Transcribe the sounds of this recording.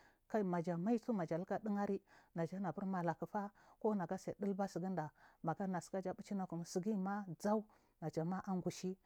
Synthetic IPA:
ka˦i˦ma˨d͡ʒa˨ma˦i˦t͡su˦ma˨d͡ʒa˨lka˦di˦ŋa˦ɾi˦na˨d͡ʒa˦na˨bu˦ɾma˨la˨ku˨fa˦ko˦na˨ɡa˦sa˨də˦lba˦si˨ɡi˦nda˨ma˨ɡa˦na˨ska˦d͡ʒa˦bu˦t͡ʃi˦na˦ku˨m˨si˨ɡi˦ma˦d͡za˦u˦ | na˨d͡ʒa˨ma˦ʔa˦ŋɡu˨ʃi˦

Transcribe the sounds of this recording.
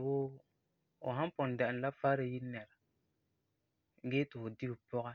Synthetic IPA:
woː˦ | ʊ̰˨ɦã˦m˦pɔ˨n˨da˨ɪ˨n˨la˦fa˦ɾɪ˨ji˦nɛ˨la˨ | ɡeː˦tɪ˨ʊ˨di˦bɨ˨pɔ˦ɣa˦

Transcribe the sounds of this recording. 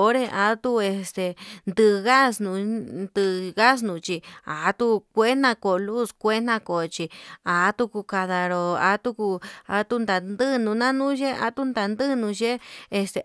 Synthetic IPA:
o˧˦ɾe˧ʔa˧˦t̪u˦e˧st̪e˨nd̪ɨ˧ɣa˦snũ˧nd̪ɨ˧ɣa˦s̬nũ˨˧t͡ʃi˧a˨˦t̪u˧˦kʷe˦n̥ã˧ko˨lu˦˨skʷe˦n̥ã˧ko˨t͡ʃi˧a˨˦t̪u˦˧ku˧ka˧ða˧ɾo˧a̰˧˦t̪u˦ku˧a˧˦t̪u˦nd̪a˨nd̪ɨ˦nũ˧nã˦nũ˦ʒe˦ʔa̰˧˦t̪u˦nd̪a˨nd̪ɨ˦nũ˧ʒe˦e˧st̪e˧

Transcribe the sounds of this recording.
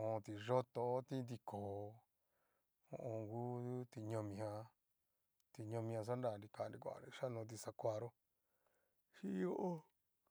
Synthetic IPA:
õ˧t̪i˧ʐo˦t̪o˧˦t̪i˦nd̪i˧kʰoː˨˧ | õ̰˧ʔõ˧ŋɡu˦t̪u˦t̪i˧ɲõ˧mĩ˧hã˧ | t̪i˧ɲõ˧mĩ˧ã˧s̬a˦nda˧˨˧ni˧ka˧˨˧ndĩ˧kʷa̰˧˨ni˧ʃa˦nõ˧t̪̬i˧sa˧kʷa˧ɾo˦ | ʃi˦o˦ʔo˦

